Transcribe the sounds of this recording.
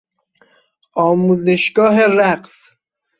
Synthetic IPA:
ɒːmuːzeʃɡɒːɦeɾæqs

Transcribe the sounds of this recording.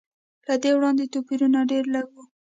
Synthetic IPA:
lad̪ewɽɑnd̪et̪opiɾunaɖeɾləɡwu

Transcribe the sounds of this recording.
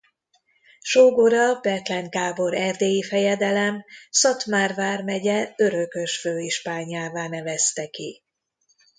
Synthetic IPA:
ʃoːɡoɾɒbɛt̪lɛŋɡaːbo̞ɾɛrd̪eːjifɛjɛd̪ɛlɛmsɒt̪maːrvaːrmɛɟɛøɾø̞kø̞ʃføːiʃpaːɲaːvaːnɛvɛst̪ɛki

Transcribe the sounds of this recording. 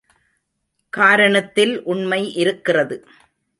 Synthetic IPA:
kaːɾɐɳɐt̪ːɪlʔʊɳmɐɪʔɪɾɯkːɪrɐðɯ

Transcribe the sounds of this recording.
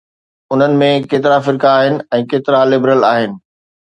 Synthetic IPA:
ʊn̤ənɪ̆mẽkeːt̪ɪɾafɪɾkaːɦɪnɪ̆ɛ̃ːkeːt̪ɪɾalɪbɾəlaːɦɪnɪ̆

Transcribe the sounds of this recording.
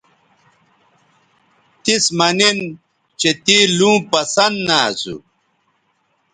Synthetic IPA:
t̪ismɐnin | t͡ɕet̪ilũːpɐsɐnd̪naːzṵ

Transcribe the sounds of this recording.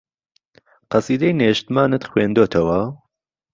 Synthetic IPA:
qɑsiːd̪ɐjneʃt̪maːnɨt̪xweːnd̪oːt̪ʰɐwɐ

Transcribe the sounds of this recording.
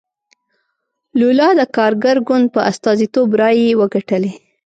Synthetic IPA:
lulɑd̪əkɑɾɡaɾɡʊnd̪̚pəʔast̪ɑzit̪obɾɑjewəɡaʈəle

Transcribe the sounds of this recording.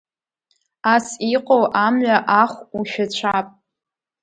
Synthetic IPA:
asiqʼowʔamɥaʔaχʷuʃᶣat͡ɕʷʰapʼ

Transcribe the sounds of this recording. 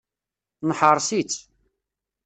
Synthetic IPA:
nħəɾˤsit͡sː

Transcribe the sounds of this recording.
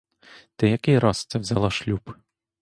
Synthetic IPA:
d̪̥ɪjɐkɪjɾɑst̪sɛwzʲalˠɔʃlʲup

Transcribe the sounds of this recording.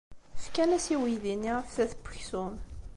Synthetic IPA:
fkænæsiwiðinːiʁəfθæθəbːə̥çsʊn

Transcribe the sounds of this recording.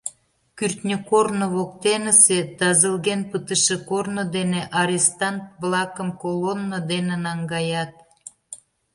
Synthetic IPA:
kyrt̪nʲəkornoβokt̪enəset̪ɑzəlɣenpət̪əʃekornod̪eneʔɑɾʲest̪ɑnt̪̚βlɑkəmkolonːəd̪enenɑŋɡɑjɑt̪̚

